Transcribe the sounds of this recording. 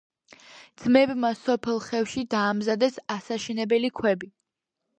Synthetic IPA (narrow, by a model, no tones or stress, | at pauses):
d̪z̥mɛbmasɔpʰɛlˠχɛfʃid̪aːmzad̪ɛsasaʃɛnɛbɛlikʰwɛbi